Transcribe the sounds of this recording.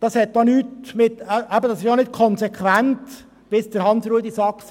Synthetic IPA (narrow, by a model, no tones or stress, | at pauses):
d̥ɑshɛt̚d̥ɑːnyːtmɪtʔæbədɑsɪʃjɑːnɪt̚kʰɔnsɛkʰʋænt | b̥ɪsd̥əɾhɑnsɾud̪isɑks